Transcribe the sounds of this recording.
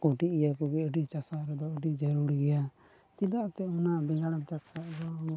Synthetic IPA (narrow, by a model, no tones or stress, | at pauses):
kɔʈiʔjakɔɡɛəɖit͡ʃasaɾɛd̪ɔəɖid͡ʒaɾuɾiɡɛja | t̪id̪aʔt̪ɛɔnabɛŋɡaɽamt͡ʃaskaʔd̪ɔ